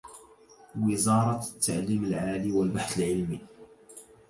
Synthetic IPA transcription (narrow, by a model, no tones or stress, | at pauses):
wəzɑɾˤɑt̪ːa̰ʕliməlʕaliwəlbaħθəlʕɪlmi